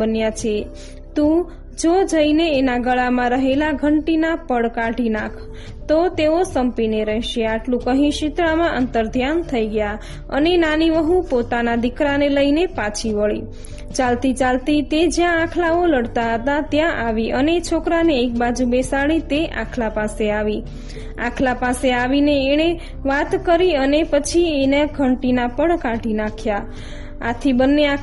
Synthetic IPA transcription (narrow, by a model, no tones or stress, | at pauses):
ənjat͡ʃʰe | t̪ũ | d͡ʒod͡ʒəineːnaɡəɭamãɾəɦelaɡʱəɳʈinapəɽkaʈinãkʰ | t̪ot̪eosəmpineɾəɦʃeaʈlũkəɦĩʃit̪ɭamãʔənt̪əɾd̪ʱjant̪ʰəiɡja | ə̰nenaniʋəɦũpot̪anad̪ikɾaneləinepãt͡ʃʰiʋəɭḭ | t͡ʃalt̪it͡ʃalt̪it̪ed͡ʒjãakʰlaoləɽt̪aɦət̪at̪jãʔaʋiʔənet͡ʃʰokɾaneːk̚bad͡ʒubesaɭit̪eʔã̰kʰlapaseaʋi | a̰kʰlapaseaʋineːɽ̃e | ʋat̪kəɾiənepət͡ʃʰienaɡʰʱəɳʈinapəɳkãʈinakʰja | a̰t̪ʰibənːea